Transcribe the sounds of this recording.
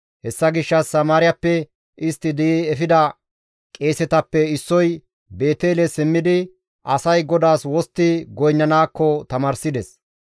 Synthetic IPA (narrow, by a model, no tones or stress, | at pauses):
hɛsːɐɡɪʃːɐsːɐmaːɾɪjɐpːɛ | ʔɪst̪ːɪd̪iiɛfɪd̪ɐ | kʼe̞ːsɛt̪ɐpːɛɪsːɔj | be̞ːt̪e̞ːlɛsɪmːɪd̪ɪ | ʔɐsɐjɡɔd̪aːswɔst̪ːɪɡɔjnːɐnaːkːɔt̪ɐmaːɾsɪd̪ɛs